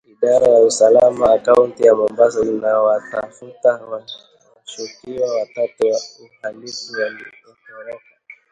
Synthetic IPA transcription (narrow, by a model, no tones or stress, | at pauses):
iɗaɾajausalamaːkauntijamɔmbazɔinawatafutawa | ʃukiawatatɛwauhalifiwandikɔhɔɾɔka